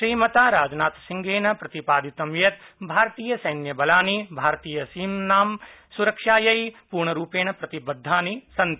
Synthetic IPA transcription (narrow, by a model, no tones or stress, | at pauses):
ʃɾiːmɐt̪aːɾaːd͡ʒnaːt̪sɪ̃ŋɡeːnɐpɾɐt̪ipaːd̪it̪ɐmjɐt̪bʱaːɾt̪iːjəsɐjnjɐbɐlaːnibʱaːɾt̪iːjɐsiːmnaːmsuɾɐkʃaːjɐipuːɾɳɐɾuːpeːɳ̃ɐpɾɐt̪ibɐd̪ʱːaːnisɐ̃nt̪